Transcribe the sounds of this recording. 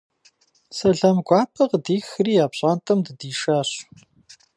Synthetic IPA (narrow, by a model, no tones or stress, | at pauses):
sɐɮɐmɡʷaːpʰɐqdiːxriːjaːpɕʼaːntʰɐmdɨdiːʃaːɕ